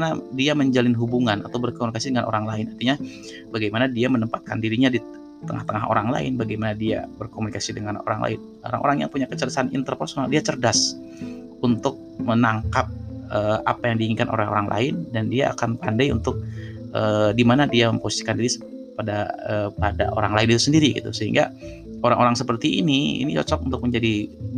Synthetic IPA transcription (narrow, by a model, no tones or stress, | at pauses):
nadiaməɲd͡ʒalɪnɦubuŋanʔa̰t̪awbərkomunikasidəŋanʔo̰ɾaŋlaɪnart̪iɲa | baɡajmanadiamənəmpat̪̚ka̰ndiɾiɲadi | t̪əŋa̰ht̪əŋaɦo̰ɾaŋla̰ɪ̰nbaɡajmanadia̰bərkomunikasidəŋano̰ɾa̰ŋla̰ɪn | o̰ɾa̰ŋʔo̰ɾaŋja̰ŋpuɲakət͡ʃərdasanḭnt̪ərpərsonaldiat͡ʃərdas | unt̪ʊk̚mənaŋkap̚əa̰pajaŋdiiŋikanʔo̰ɾaɦo̰ɾaŋlʔa̰ɪndandiaa̰kanpandajṵnt̪ʊk̚ʔədimanadiaməmposi̥si̥kandiɾis | padaəːpada̰ʔo̰ɾaŋlaɪnit̪usəndiɾiɡḭt̪usəɦiŋɡa̰ | oɾaŋʔoɾaŋsəpərt̪iʔːniḭnit͡ʃɔ̰t͡ʃɔk̚unt̪ʊk̚məɲd͡ʒadi